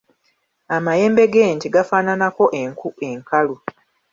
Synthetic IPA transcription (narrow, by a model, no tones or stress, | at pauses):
amaje̞ːmbe̞ɡeːntiɡafaːnanako̞ʔeŋkue̞ŋkalu